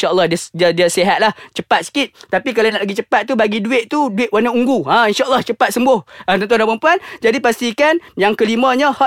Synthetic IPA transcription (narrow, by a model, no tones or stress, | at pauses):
ʃaʔəlˠːɑhdiədiədiəseɦat̪̚laht͡ʃəpat̪̚sə̥kit̪̚t̪apik̬alanaʔlaɡit͡ʃəpat̪̚ːubaɡiduɪʔt̪uduɪʔ̪̚wanãuŋɡuãinʃaʔəlːɑht͡ʃəpat̪̚səmbʊhət̪ɔnt̪̬ondãpəmpuand͡ʒadipast̪ikanjaŋkəlimə̃ɲə̃hɔ